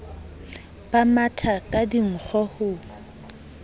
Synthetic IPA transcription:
b̥amatʰakʼadiŋ̩k͡xʰɔhʊ

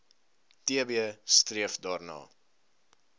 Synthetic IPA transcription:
tiəbiəstriəfdɑːrnɑ̰ː

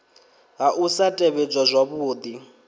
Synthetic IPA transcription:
ɦaʔusatʼeβɛd͡ʒʼazʷaβuːd̪i

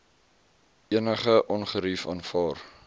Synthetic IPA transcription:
iənəχəʔɔnχəɾifɑ̰ːnfɑːr

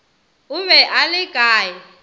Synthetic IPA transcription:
ʊβɛʔalɪɡ̥ʱaːjɪ

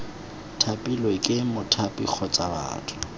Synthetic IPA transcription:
tʰapʼilwekʼɪmʊtʰapʼḭk͡xʰɔt͡sʼaba̰ːtʰʊ̥

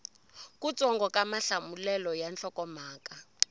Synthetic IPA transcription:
kut͡sʼɔŋɡɔkamaɬamulɛlɔjant͡ɬɔkɔmaːka

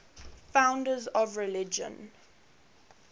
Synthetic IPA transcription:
fãʊ̃ndəzɔvɹɛlɪd͡ʒə̰̃n

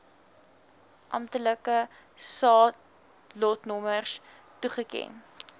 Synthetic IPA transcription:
ʔɐ̰mtələkə | sɑː | lɔtnɔmərs | tuχəkɛ̰n

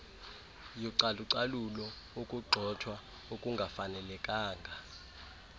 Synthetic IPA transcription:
jɔǀaluǀalulɔ | okʼuɡ͡ǃʱɔtʰwa | okʼuŋɡʱafanɛlɛkʼaːŋɡʱa

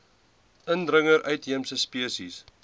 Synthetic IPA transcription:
ʔəndrəŋəɾʔœɥtɦiəmsəspiəsis

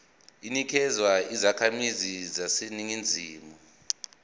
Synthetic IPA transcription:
inikʰɛzwaizakʰamizizasiniŋind͡zʱiːmu

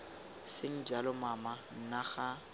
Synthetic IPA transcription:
sɪŋ̩d͡ʒalɔmaman̩naχa

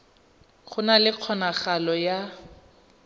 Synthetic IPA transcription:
χʊnalɪq͡χʰɔnaχalɔja

